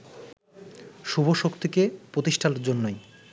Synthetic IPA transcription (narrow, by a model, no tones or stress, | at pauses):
ʃubʱoʃokt̪ʰikepɾot̪iʃʈʰanɾd͡ʑonːoj